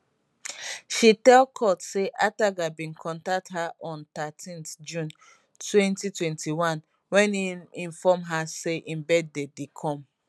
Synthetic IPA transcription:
ʃitɛlkʰɔtseʔataɡabĩnkʰɔ̃ntak̚thaʔɔ̃nt̪atʰĩnθd͡ʒũn | twɛ̃ntitwɛ̃ntʰiwãn | wɛ̃niĩnfɔmɦaseʔĩmbɛd̚dedekʰɔ̃m

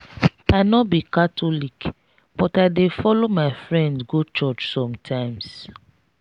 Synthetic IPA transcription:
aɪnɔbikatʰɔlik | b̥ɔtaɪdefɔlomaɪfɹɛ̃ndɡot͡ʃɔt͡ʃsɔ̃mtʰãɪ̃ms

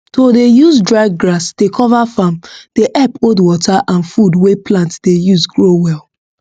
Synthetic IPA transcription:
tʰodejuzdɹaɪɡɡɹasd̥ekʰɔvafãmd̥eʔɛpodwɔtʰaʔãnfudweplãntd̥ejuzɡɹowɛlˠ

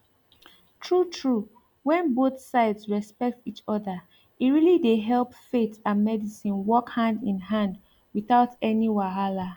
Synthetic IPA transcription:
tʰɹutʰɹu | wɛ̃nboθsaɪdsɹɛspɛk̚tit͡ʃɔðə | iɹilideɦɛlˠpfetãnmɛdisĩnwɔkhãndĩnɦãnd | wiθaʊtɛniwaɦala

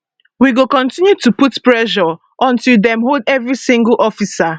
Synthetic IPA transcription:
wiɡokɔ̃ntĩnjutuputpɹɛʃɔ | ʔɔ̃ntilˠdɛ̃mɦoldɛvɹisĩŋɡl̩ʔɔfisa

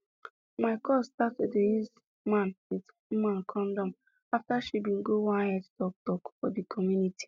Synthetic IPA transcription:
maɪkɔstatedejiz | mãnwid̩ | mãnkʰɔ̃ndɔ̃m | aftaʃibiŋ̩ɡowaɦɛdtɔk̚tɔkfɔdikʰɔmjuniti̥

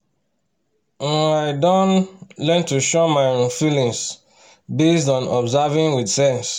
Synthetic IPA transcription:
ɛ̃naɪdɔnlɛ̃ntuʃɔmaɪfilĩŋs | bestɔ̃nɔbzavĩŋwidsɛ̃ns

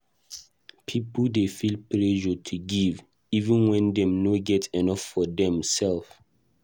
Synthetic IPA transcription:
pʰipldefilplɛʒɔtʰuɡiv | ivə̃nwɛ̃ndɛ̃mnoɡɛtʰɛnɔfːɔdɛ̃msɛlf

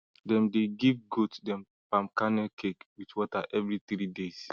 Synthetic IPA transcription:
dɛ̃mdeɡivɡotdɛ̃m | pãmkanɛkʰekwitwɔtaʔɛvɾitɾides

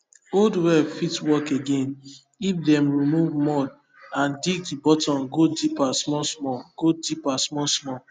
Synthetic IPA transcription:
oldwɛfitwɔkeɡẽn | ifdɛ̃mɹimuvmɔd | ãndik̚dibɔtɔ̃nɡodipasmɔsmɔɡ̥odipasmɔsmɔ

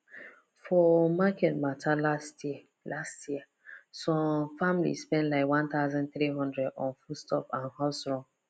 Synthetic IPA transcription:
fɔmakɛtmatʰalast | lastjiɛ | sɔ̃mfamilḭspɛ̃ntlaɪkwãnt̪aʊzɔ̃nθɾiɦɔ̃ndɹɛdɔ̰̃nfustɔpãnhɔsɹɔ̃m

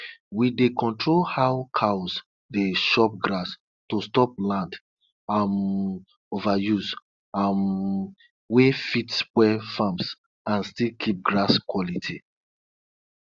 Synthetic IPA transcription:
widekɔ̃ntɹolhaʊkʰaws | deʃɔp̚ɡɾas | tostɔp̚lãnd | am | ovajus | am | wefitskwɛfãms | ãnstilkʰip̚ɡɹaskwɔlitʰi

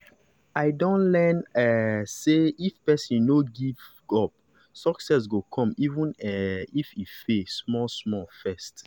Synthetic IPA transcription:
aɪdõnlɛnɛseifpɛsĩnoɡiv | ɔp̚ | sɔksɛs̬ɡokʰɔ̃mivũnɛififesmɔsmɔfɛst

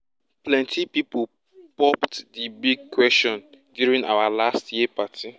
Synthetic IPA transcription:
plɛ̃ntʰipipo | pɔptdibiɡ̚kwɛstɔ̃ndjuɹĩŋa̰walastjipatʰi

